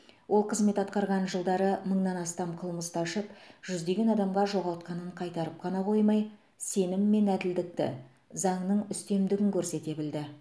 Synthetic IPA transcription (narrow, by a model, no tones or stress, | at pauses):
wʔo̞lˠqʰəzme̞t̪ɑt̪̚qɑɾʁɑnʒəlˠd̪ɑɾəməɴnɑnɑst̪ɑmqʰəlˠməst̪ʰɑʃəpʒ̥ʏzd̪e̞ɡʲe̞nɑd̪ɑmʁɑʒo̞ʁɑlˠt̪qɑnəɴqʰɑjt̪ɑɾəp̚qʰɑnɑqʰo̞jmɑj | se̞nɪmːe̞næd̪ɪld̪ɪk̚t̪ɪ̰ | zɑɴnəɴʏst̪e̞md̪ɪɡʲɪŋkʲɵɾse̞t̪e̞bɪld̪ɪ